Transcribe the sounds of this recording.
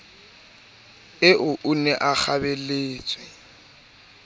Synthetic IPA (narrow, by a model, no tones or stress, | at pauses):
ɪʔʊʔʊnɛʔak͡xʰabɛleːt͡sʼwɛ